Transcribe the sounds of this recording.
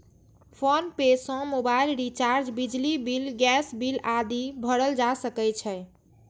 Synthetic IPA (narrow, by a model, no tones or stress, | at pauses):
pʰonpesɔ̃mobailɾit͡ʃaɾd͡ʒbid͡ʒlibilɡɛsbilad̪ibʱəɽəld͡ʒasəkɛt͡ʃʰɛ